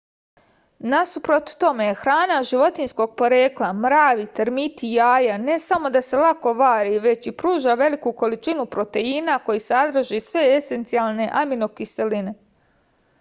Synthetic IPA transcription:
nasupɾot̪t̪o̞mexɾaːnaʒiʋo̞t̪insko̞ɡ̚po̞ɾeːklˠamɾaːʋit̪eɾmit̪ijaːjane̞samo̞d̪ase̞lˠako̞ʋaːɾiʋe̞t͡ɕipɾuːʒaʋe̞likuko̞lit͡ʃinupɾo̞t̪e̞inako̞jisad̪ɾ̩ʒisʋe̞ese̞nt̪sialˠne̞ʔaminokiseline̞

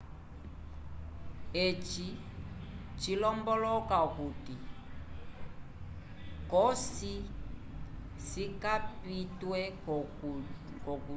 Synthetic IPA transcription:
et͡ʃi | t͡ʃilɔmbɔlɔkaukuti | kɔsi | sikapitwɛ | kɔku

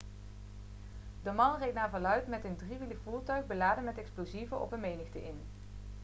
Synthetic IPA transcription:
dəmɑnrejtnaːɹvɑlœɥtmɛtəndriʋiləvuːɹtœɥɣbəlaːdənmɛtɛksplozivəʔɔ̰pənmejnəxtəʔɪn

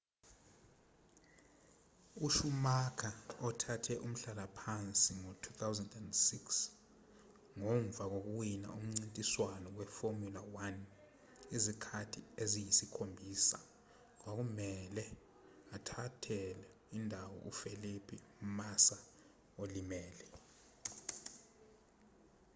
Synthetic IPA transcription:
uʃumakʰaɔtʰatʰɛʔum̩ɬalapʰant͡sʼiŋɔtʰut̪ʰawzandɛndsiks | ŋɔɱvʱak̬ok̬uwina̰um̩ŋ͡ǀintʼiswanɔwɛformjulawan | izikʰatʰiezijisikʰombʱiːsa̰ | k̬wak̬umɛlɛ | atʰatʰɛlɛ | indʱawɔ̰ʔufelipʰiumasa | olimɛːlɛ

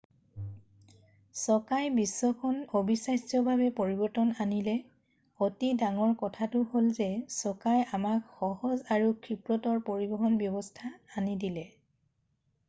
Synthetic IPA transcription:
sɔkajbisːɔkʰɔnobisajsjɔbʱabɛpoɹibɔɹtɔnanilɛ | otidaŋɔɹkɔtʰatʊholzɛsɔkajamakxɔhɔzaɹukʰɹipɹɔtɔɹpoɹibɔɦɔnbjɔbɔstʰaːnidilɛ

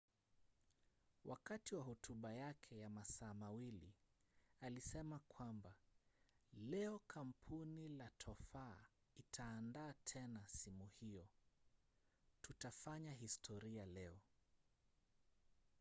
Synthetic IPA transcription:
wʔakatiwaɦɔtʰuɓajakʰɛjamasaːmawili | alisɛmakʰwamba | lɛɔkʰam̩pʰunilatʰɔfa | itʰaːndaːtʰɛnasimuhijɔ | tutafaɲaɦistʰɔɾialɛɔ

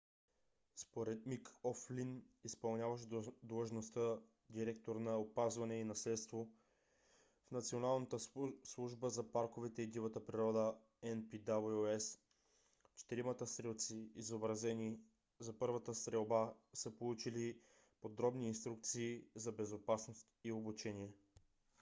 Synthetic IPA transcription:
spoɾɛt̪mikɔflinispɐlˠnʲjavɐʃ̬d̪lˠəʒnost̪ə | d̪iɾɛkt̪oɾnɐopazvɐnɛinɐslɛt̪st̪vo | fnɐt̪sionalˠnət̪əslˠuʒbəzɐpaɾkovɛt̪ɛid̪ivɐt̪əpɾiɾɔd̪ə | ɛnpid̪abluɛs | t͡ʃɛ̥t̪iɾimət̪əst̪ɾɛlˠt̪siizobɾɐzɛnʲi | zɐpɤɾvɐt̪əst̪ɾɛlˠbasəpolˠut͡ʃili | pod̪ɾɔbniːnst̪ɾuk̚t̪siːzɐbɛzopasnost̪iobut͡ʃɛniɛ

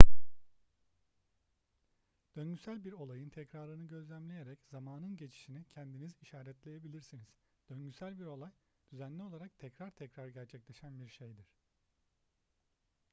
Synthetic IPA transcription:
d̪̥ø̞ɲɟysælʲbiɾo̞lˠajɯnt̪ʰɛcɾaːɾɯnɯɟø̞zlʲæmlʲejeɾɛcz̥amaːnɯnɟet͡ʃʰi̥ʃinicʰɛnd̪iniziʃaːɾɛt̪lʲe̞jebilʲiɾsiniz̥ | d̪̥ø̞nɟysælʲbiɾo̞lˠaj | d̪̥yzænlʲio̞lˠaɾak̚t̪ʰɛcɾaɾt̪ʰɛcɾaɾɟæɾt͡ʃʰɛclʲeʃænbiɾʃe̞jd̪iɾ̥

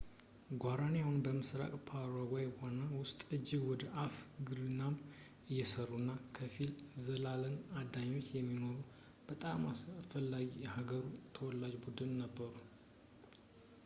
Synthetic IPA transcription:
ɡʷaɾaneahunbəmɨsɾa̰kʼpʰaɾawejwanawʊst̪ʼɨd͡ʒːɪɡwɔd̪əʔafɡɨɾɨnam | ɨjːɛsərːunːakʰəfilzəlalənad̪aɲːo̞t͡ʃːjɛmːinoɾu | b̥ət̪ʼamasfəlːaɡjɛhaɡəɾut̪ʰəwɔlːad͡ʒbud̪ɨnːəbːəɾu

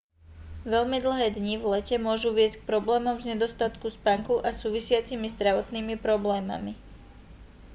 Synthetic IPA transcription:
ʋɛʎmid̪l̩ɦɛːd̪ɲiʋlɛcɛmʊɔʒuʋɪɛsck̚pɾɔblɛːmɔmzɲɛd̪ɔst̪at̪kuspaŋkuʔasuːʋisɪat͡simizd̪ɾaʋɔt̪niːmipɾɔblɛːma̰mi

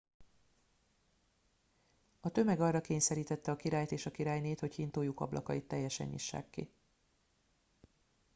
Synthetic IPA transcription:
ɒt̪ø̞mɛɡɒrːɒkeːɲsɛɾiːt̪ɛt̪ːɛɒkiɾaːjt̪eːʃɒkiɾaːjneːt̪ho̞chint̪oːjukɒ̰blʔɒ̰kɒit̪ːɛjːɛʃɛ̰ɲḭʃːa̰ːkːḭ

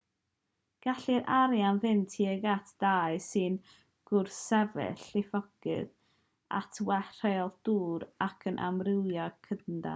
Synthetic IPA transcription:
ɡ̥aɬiɾʔaɾjanvɨntʰiːəɡatʰd̥aːɨsɨn | ɡ̥ʊrsɛvɛ̰ɬɪfɔɡ̥ɨ̰ð | a̰tʰwɛr̥ɛlˠd̥uːɾakʰənʔa̰mrɪwjɔkʰənda̰

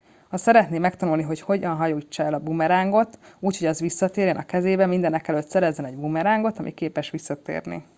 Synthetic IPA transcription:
hɒsɛɾɛt̪neːmːɛkt̪ɒnulniɦo̞cho̞ɟɒnɦɒjoːit͡ʃːɒɛlɒbumɛɾaːŋɡo̞t̪uːcho̞ɟɒzʋisːɒt̪eːɾjɛnʔɒkɛzeːbɛmind̪ɛnɛkɛlø̞t̪sɛɾɛzːɛnɛɟbumɛɾaːŋɡo̞t̪ɒmʔikeːpɛʃʋisːɒt̪ḛːrnḭ

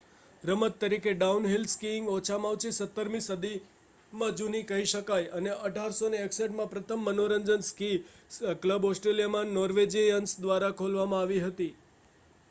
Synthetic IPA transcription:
ɾəmət̪ːəɾikeɖaunɦilskiɪ̃ŋɡɔt͡ʃʰamaʋt͡ʃisət̪ːəɾmĩsəd̪i | mãd͡ʒunikəɦiʃəkajəneʔəʈaɾsoneːkseʈmãpɾət̪ʰəmːənoɾəɲd͡ʒənskiskləbɔsʈɾelijamãnɔɾʋed͡ʒejənsd̪ʋaɾakʰolʋamãaʋiɦət̪i

